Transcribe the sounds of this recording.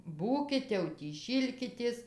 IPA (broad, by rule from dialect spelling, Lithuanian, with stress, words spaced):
ˈbuːkʲɪt jɛʊ tʲiː ˈʃʲiːlʲkʲɪtʲeːs